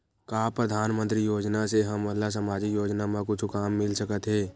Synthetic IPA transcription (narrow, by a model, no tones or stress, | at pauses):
kaːpɾəd̪ʱaːnmə̃nt̪ɾijoːd͡ʒnaseɦɐmːɐɦlas̬əmaːd͡ʒɪkjoːd͡ʒnamãkʊt͡ʃʰkaːmːɪlsəkət̪ɦɛː